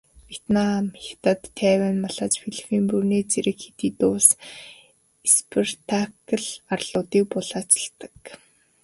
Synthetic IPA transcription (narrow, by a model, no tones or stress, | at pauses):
wʲet̪namxʲḁt̪ə̆t̪ʰːæːwænmaɮaːt͡sfiɮifiːmpurneːt͡seɾɘ̆kxe̥t̪iːt̪ʊːs | espʰert̪ʰakə̆ɮarɮ̥ʊːt̪iːk̚pʊɮaːt͡sə̥̆ɬt̪ə̥̆k